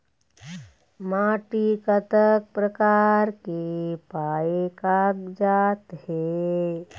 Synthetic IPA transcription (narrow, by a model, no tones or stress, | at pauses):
maːʈikət̪ək̚pɾəkaːɾkepaːekaːɡd͡ʒaːt̪he